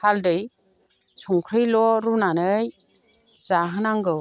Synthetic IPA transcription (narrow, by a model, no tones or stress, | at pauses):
haldɯj | sʰɔŋkʰɾɯjlɔɾunanɯj | z̥aɦɯnaŋɡɯ